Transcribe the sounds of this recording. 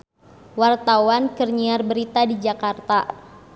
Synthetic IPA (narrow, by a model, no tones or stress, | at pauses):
wart̪awankərɲiarbəɾit̪adid͡ʒakart̪a